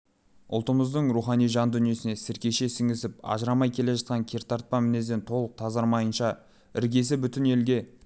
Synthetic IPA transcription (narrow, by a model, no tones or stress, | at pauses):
ʊ̰lˠt̪əməzd̪əɴɾuχɑnijʒɑnd̪ʏnije̞sɪne̞sɪɾkʲeʃe̞sɪŋɡʲɪsɪp̚ɑ̰ʒəɾɑmɑjkʲʰe̞le̞ʒɑt̪̚qɑŋkʲʰe̞ɾt̪ʰɑɾt̪̚pɑmɪne̞zd̪e̞nt̪ʰo̞lˠəq̚t̪ʰɑzɑɾmɑjənʃɑ | ɪɾɡʲe̞s̬ɪbʏt̪ɪne̞lɡʲe̞